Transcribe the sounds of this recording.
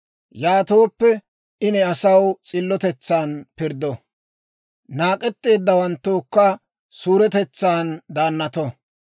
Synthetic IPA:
jaːt̪oːpːɛ | ʔɪnɛɐsɐwt͡sʼɪlːɔt̪ɛt͡sːaːnpɪɾd̪ɔ | naːkʼɛt̪ːe̞ːd̪ːɐwɐnt̪ːoːkːɐ | suːɾɛt̪ɛt͡sːaːnd̪aːnːɐt̪ɔ

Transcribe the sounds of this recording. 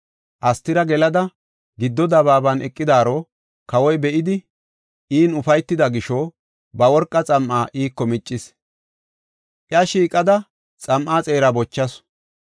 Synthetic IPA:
ʔɐst̪ːɪɾɐɡɛlɐd̪ɐ | ɡɪd̪ːɔd̪ɐβaːbɐnʔɛkʼːɪd̪aːɾɔ | kɐwɔjbɛʔɪd̪ɪ | ʔiːnʊfɐjt̪ːɪd̪ɐɡɪʃɔ | bɐwɔɾkʼːɐt͡sʼɐmʔaːʔiːkːɔmɪt͡ʃʼːɪs | ʔɪɐʃiːkʼɐd̪ɐ | t͡sʼɐmʔaːt͡sʼeːɾɐbɔt͡ʃːɐs

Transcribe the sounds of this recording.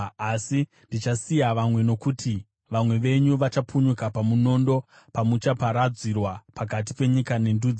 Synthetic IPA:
asi | ndit͡ʃasijaʋamwe̞no̞kutʰi | ʋamwe̞ʋe̞ɲuʋat͡ʃapʰuɲukapamuno̞ndo̞ | pamut͡ʃapaɾad͡zirwapakat̬i̥pe̞ɲikane̞ndud͡z

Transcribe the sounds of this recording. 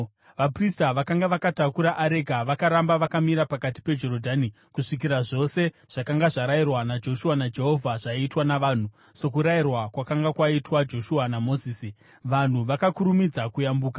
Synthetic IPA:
ʋapristaʋakaŋɡaʋakatakuɾaʔaɾe̞ɡʱaʋakaɾambaʋakamiɾapakati̥pe̞d͡ʒo̞ɾodʱani | kuʂik̬iɾaʐo̞se̞ | ʐ̥akaŋɡaʐaɾairwanad͡ʒo̞ʃuanad͡ʒe̞ɦo̞vʱaʐ̥aiitwanaʋaːn̤u | se̞k̬uɾairwakwakaŋɡakwaitwad͡ʒo̞ʃuanamo̞ziːsi | ʋan̤uʋakakuɾumid͡zakujambuːkḁ

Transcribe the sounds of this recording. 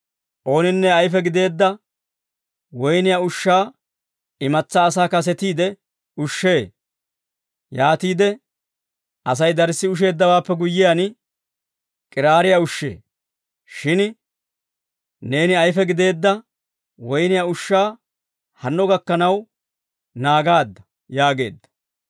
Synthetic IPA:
ʔo̞ːnɪnːɛɐjfɛɡɪd̪e̞ːd̪ːɐ | wɔjnɪjaʊʃːaː | ɪmɐt͡sːaːsaːkɐs̬ɛt̪iːd̪ɛ | ʊʃːeː | jaːt̪iːd̪ɛ | ɐs̬ɐjd̪ɐɾsːɪʊʃ̬e̞ːd̪ːɐwaːpːɛɡʊjːɪjan | kʼɪɾaːɾɪjaʊʃːḛː | ʃɪn | ne̞ːnɪɐjfɛɡɪd̪e̞ːd̪ːɐ | wɔjnɪjaʊʃːaː | hɐnːɔɡɐkːɐnɐw | naːɡaːd̪ːɐ̥ | jaːɡe̞̰ːd̪ːɐ̥

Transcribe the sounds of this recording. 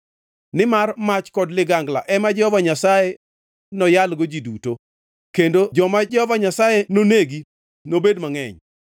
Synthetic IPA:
nɪmarmat͡ʃkɔdlɪɡaŋɡla̰ʔɛmad͡ʒɛhɔvaɲasaje | nɔjalɡod͡ʒiduto | kendod͡ʒɔmad͡ʒɛhɔvaɲasajenoneɡi | nobedmaŋɛɲ

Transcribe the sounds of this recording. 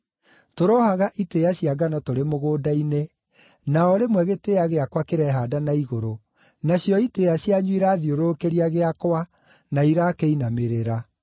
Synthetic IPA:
toɾɔhaɣaʔitejaɕiaɡanɔtoɾemoɣoːdaine | naɔɾemwɛɣeteaɣeakwakeɾɛɦadanaiɣoɾo | naɕjɔitejaɕjaɲwiɾaːðioɾokeɾiaɣeakwa | naiɾakeinameɾeɾa

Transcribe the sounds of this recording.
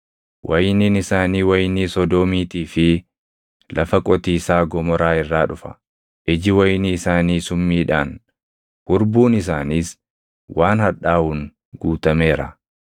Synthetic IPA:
wʔɐjniːnɪsaːniːwɐjniːsɔd̪oːmiːt̪iːfɪ | lʔɐfɐkʼɔt̪iːsaːɡɔmɔɾaːɪrːaːᶑʊfɐ̥̰ | ʔɪd͡ʒɪwɐjniɪsaːniːsʊmːiːᶑaːn | kʊɾbuːnɪs̬aːniːs | wʔaːnhɐᶑaːhʊŋ | ɡuːt̪ɐme̞ːɾɐ̰

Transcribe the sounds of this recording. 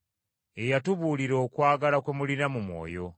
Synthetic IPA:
e̞jatuβuːliɾoːkwaːɡalakwemulinamumwo̞̰ːjo̞

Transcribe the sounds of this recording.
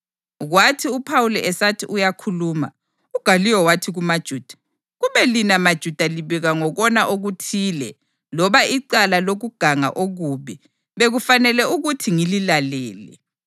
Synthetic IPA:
ɣwatʰiupʰawulɛʔɛsatʰiʔujakʰuluːma̰ | uɡ̥ʱaliwɔwatʰiɣumad̥ʒ̥ʱuːd̥ʱḁ | ɣuβɛlinamad̥ʒ̥ʱud̥ʱaliβɛɣaŋɔɣɔnaʔoɣutʰiːlɛ | lɔβaiǀalaloɣuɡ̥ʱaŋa̰ʔoɣuːβi | βeɣufanɛlɛuɣutʰiŋililalɛːlɛ̰

